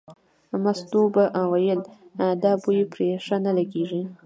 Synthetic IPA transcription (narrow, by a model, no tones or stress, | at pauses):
mast̪obaʔwajəld̪ɑbujepɾeʂanalaɡeʐi